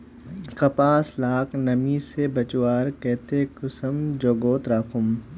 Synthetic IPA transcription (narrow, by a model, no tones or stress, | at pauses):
kɐpaːslaːknɐmisebɐt͡ʃwaːɾkɛːt̪ekʊsəmd͡ʒoːɡoːt̪ɾaːkʰʊm